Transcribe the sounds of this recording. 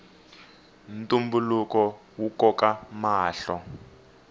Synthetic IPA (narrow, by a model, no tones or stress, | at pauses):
ntʼumbulukɔ | wukɔkamaːɬɔ